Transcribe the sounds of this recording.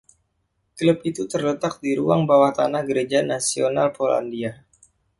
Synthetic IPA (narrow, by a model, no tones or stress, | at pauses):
kləpit̪ut̪ərlət̪ak̚diɾuaŋbawaht̪anahɡəɾed͡ʒanasionalpola̰ndia